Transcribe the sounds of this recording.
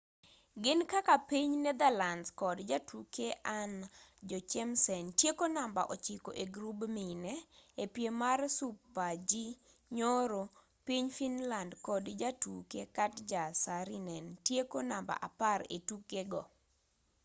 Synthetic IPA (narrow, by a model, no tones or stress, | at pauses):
ɡɪnkakapiɲnɛd̪ɛlanskɔdd͡ʒatukeʔand͡ʒɔt͡ʃɛmsɛntjekonamba̰ʔot͡ʃiko̰ʔeɡɾubminɛepjemarsupːad͡ʒi | ɲoɾo | piɲfinlandkɔdd͡ʒatukekatd͡ʒasaɾinɛntjekonamba̰ʔapaɾḛtukeɡɔ